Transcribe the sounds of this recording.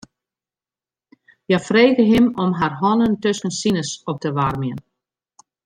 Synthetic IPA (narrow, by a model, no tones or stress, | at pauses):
jafreːɣəɦɪmɔmɦarɦɔnəntøskənsinəsɔp̚təʋarmjən